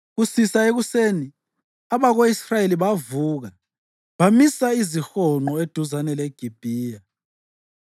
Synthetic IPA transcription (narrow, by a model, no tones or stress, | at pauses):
ɣusisaeɣuseːni | aβaɣoisrajeliβavuːɣa | βamisaizixɔŋ͡ǃɔed̥ʱuzanɛleɡ̥ʱib̥ʱiːja